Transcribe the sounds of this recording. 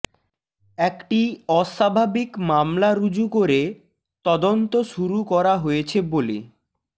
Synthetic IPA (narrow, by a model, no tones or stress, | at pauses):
ɛkʈiɔʃabʱabikmamlaɾud͡ʑukoɾe | t̪ɔd̪ont̪oʃuɾukɔɾaɦojet͡ɕʰebole